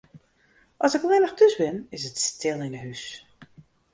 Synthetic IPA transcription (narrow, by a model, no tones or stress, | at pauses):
ʔɔsɪklɪnəxdøsbɪnɪsətstʰɪlˠɪnətɦys